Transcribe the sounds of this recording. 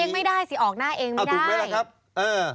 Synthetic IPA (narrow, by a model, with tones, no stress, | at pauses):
eː˧ŋma˥˩jdaː˥˩jsi˨˩˦ʔɔː˨˩k̚naː˥˩ʔeː˧ŋma˧˨˩jdaː˩˨˦la˧kʰa˦˥p̚ | ʔɤː˧˩